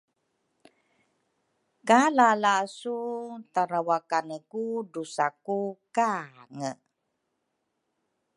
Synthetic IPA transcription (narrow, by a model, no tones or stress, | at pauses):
kalalasut̪aɾawakanəkudusakukaŋə